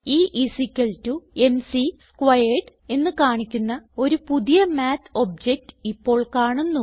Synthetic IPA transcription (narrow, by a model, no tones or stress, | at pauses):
iːʔisikʲːɐɭtue̞nsiskʋɐjeʈ | e̞nːɨkaːɳikʲːunːɐo̞ɾupuðijɐmaːt̪ʰob̚d͡ʑek̚tɨ̥ipːo̞ːɭkaːɳunːu